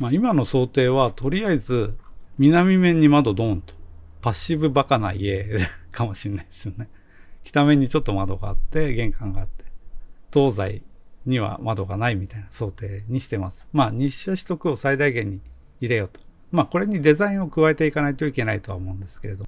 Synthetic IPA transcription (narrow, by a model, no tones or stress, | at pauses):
maimano̞so̞ːt̪e̞ːβat̪o̞ɾʲijaizɨmʲinamʲimẽ̞ɲ̟ːimad̪o̞d̪õ̞nt̪o̥paɕibɯ̟bakana̰ie̞d̪kʰamo̞ɕinːaiesɨne̞ | kʲi̥t̪amẽ̞ɲ̟ːit͡ɕo̞t̪ːo̞mad̪o̞ɡa̰a̰t̪ːe̞ɡẽ̞ŋkãŋɡaːt̪ːe̥t̪o̞ːzaiɲ̟iβa̰mad̪o̞ɡanaimʲit̪ainaso̞ːt̪e̞ːɲ̟iɕi̥t̪e̞masɨ̥maɲ̟iɕaɕi̥t̪o̞kɯ̟o̞said̪aiɡẽ̞ɲ̟ːiː | ɾe̞jo̞t̪o̥ | mako̞ɾe̞ɲ̟id̪e̞zaĩo̞kɯ̟βae̞t̪e̞ikanait̪o̞ike̞nait̪o̞βa̰omo̞ɯ̃nd̪e̞sɨ̥ke̞ɾe̞d̪o̞mo